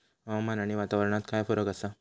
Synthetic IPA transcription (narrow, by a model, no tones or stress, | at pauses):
aamanaɽ̃iʋat̪aʋəɾɳ̃at̪kajfəɾəkasa